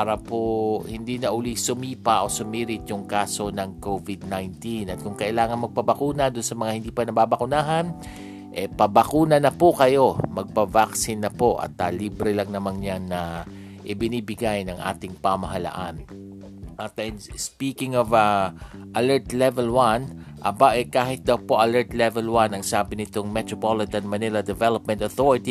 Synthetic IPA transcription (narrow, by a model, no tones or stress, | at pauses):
aɾɐpohɪnd̪inɐʔʊlisʊmiːpɐʔo̞sʊmiːɾɪt̪̚jʊŋkaːso̞nɐŋkovɪd̪̚najnt̪inʔɐt̪̚kʊŋkɐʔɪlaːŋɐnmɐɡ̚pɐbɐkuːnɐd̪ʊnsɐmɐŋahɪnd̪iːpɐnɐbabɐkʊnaːɦɐn | ʔɛpɐbɐkuːnɐnɐpokɐjo̞mɐɡ̚pɐvaksɪnːɐpo̞ʔɐ̰t̪aliːbɾɛlɐŋnɐmaŋɲannːɐ | ʔɪbɪniːbɪɡajnɐŋʔa̰ːt̪ɪŋpamɐɦɐla̰ʔan | ʔɐt̪ɐnspiːkɪŋɔvaʔɐlɛɹt̪lɛvɛlwanʔɐbaʔɛkaːhɪt̪̚d̪ɐwpo̞ʔɐlɛɹt̪lɛvɛlwanɐŋsaːbɪnɪt̪oŋmɛt̪ɾopolɪt̪ɐnmɐnɪlɐd̪ɛvɛlop̚mɛ̃nt̪ɐθoɹɪt̪i